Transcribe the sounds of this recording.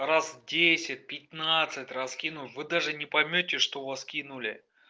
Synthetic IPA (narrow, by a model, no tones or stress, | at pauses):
rasdʲesʲɪt̚ʲpʲɪt̪nat̪sɨtʲrɐskʲinʊvɨd̪aʐɨnʲɪpɐjmʲɵtʲɪʂt̪ovɐskʲinʊlʲɪ